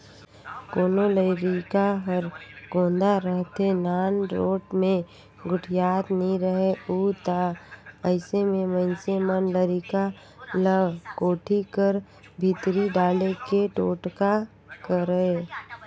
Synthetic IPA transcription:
koːnoləɾikaɦəɾɡõːnd̪aɾəɦt̪enaːnɾo̰ːʈmẽ | ɡʊʈʰjaːt̪nəĩɾəɦeuːt̪aəɪsemẽməɪnsemənləɾika | ləɡkoːʈʰikəɾ | bʱɪt̪ɾiɖaːlekeʈoːʈka | kəɾəe

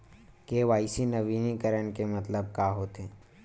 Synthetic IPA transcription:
keːʋaːisinɐʋiːnikəɾəɳ̃kemɐt̪ləb̚kaːɦoːt̪ɦɛ̃ː

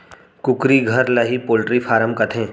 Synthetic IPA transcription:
kʊkɾiɡʱɐɾlɐɦipoːlʈɾipʰaːɾəmkɐt̪ʰẽː

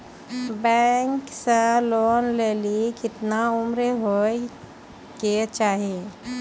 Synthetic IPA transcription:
bɛŋkseloːnleːlikɪt̪naʊmɾeɦoːe | ket͡ʃaːɦije

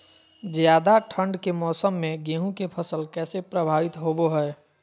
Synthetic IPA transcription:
zjaːd̪aʈʰə̃ɳɖkemɔːsəmːẽɡẽːɦũkepʰəsəlkɛːsepɾəbʱaːʋɪt̪ɦoboɦɛː

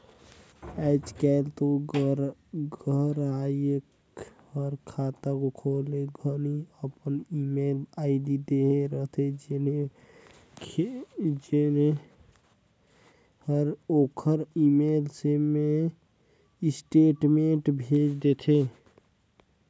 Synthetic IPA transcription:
ɛɪt͡ʃkɛlt̪o | ɡəɾajək | həɾkʰaːt̪akokʰoːleɡʱəniəpənimelaɪd̪id̪eɦeɾəɦt̪ʰed͡ʒene | d͡ʒene | həɾoːkʰəɾimeːlseme | ɪsʈeːʈmẽʈbʱet͡ʃd̪et̪ʰe

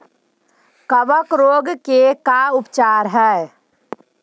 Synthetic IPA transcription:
kəbəkɾoːɡkekaʊpt͡ʃaːɾɦɛ

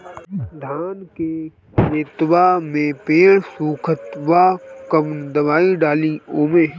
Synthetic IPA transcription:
d̪ʱaːnke | eːt̪wamẽpeːɽsuːkʰət̪ʋakəmnd̪əʋaːiɖaːlioːmeː

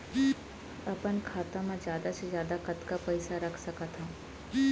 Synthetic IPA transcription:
ɐpənkʰaːt̪ãmãd͡ʒjaːd̪asezjaːd̪akɐt̪kapɐɪsaɾɐkʰsɐkat̪ʰaː

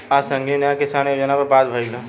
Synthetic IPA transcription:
asə̃ŋɡʱinãkɪsaːnəɾd͡ʒənapəɾbaːd̪bʱəiɡa

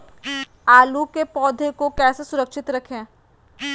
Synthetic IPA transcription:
aːlukepɔːd̪ʱekokɛːsesʊɾəkʃɪt̪ɾɐkʰẽː

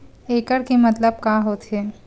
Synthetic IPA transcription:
eːkəɽkemɐt̪ləb̚kaːɦoːt̪ɦeː

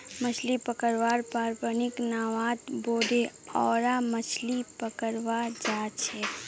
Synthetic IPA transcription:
mət͡ʃʰlipəkəɾʋaːɾpaːɾpənɪknaːʋaːt̪boːd̪eɔːɾamət͡ʃʰlipəkəɾʋaːd͡ʒaːt͡ʃʰɛː

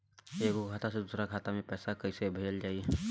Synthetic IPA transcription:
eːkokʰaːt̪ased̪uːsɾakʰaːt̪amẽpɛːsakəisebʱəd͡ʒəld͡ʒaːi

